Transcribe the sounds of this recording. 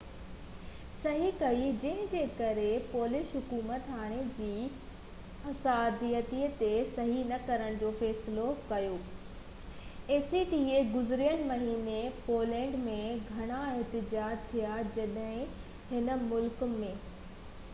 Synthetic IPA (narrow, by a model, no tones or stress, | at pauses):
sɐɦikɐid͡ʑɐ̃ɦɪ̃d͡ʑeːkɐɾepoːlɪʃɦʊkuːmət̪ɦaːɽ̃ed͡ʑiː | ɐsaːd̪ijət̪iːət̪esɐɦinɐkɐɾəɽ̃d͡ʑoːfɛːsɪlokɐjoː | eːsiʈieɡʊzɪɾijəñmɐɦiːnepoːlɛ̃ːɳɖmẽɡʱɐɽ̃aɪɦt̪ɪd͡ʑaːd͡ʑt̪ʰijad͡ʑɐɗɦɪ̃ | hɪnə̆mʊlkmẽː